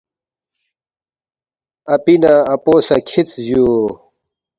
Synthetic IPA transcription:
ɐpinaːpoːsɐkʰit͡sʑjo

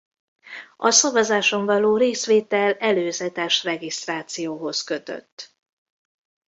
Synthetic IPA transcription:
ɒsɒvɒzaːʃo̞ɱvɒloːɾeːsʋeːt̪ɛlɛløːzɛt̪ɛʃrɛɡist̪raːt̪sijoːɦo̞skøt̪ø̰t̪ː

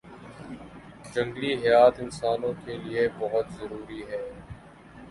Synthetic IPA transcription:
d͡ʒɐ̃ŋɡliɦɛjaːt̪ɪnsaːnõkeliebɐɦʊt̪zɐɾuːɾiɦɛː

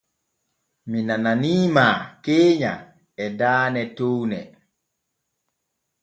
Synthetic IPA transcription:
minananiːmaːkeːɲa̰ | ɛdaːnɛtownɛ

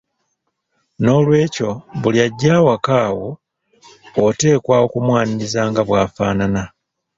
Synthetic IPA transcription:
no̞lwe̞ːco̞βuljaɟːaːwakaːwo | te̞ːkwaːwo̞kumwaːniizaːŋɡaβwaːfa̰ːnana

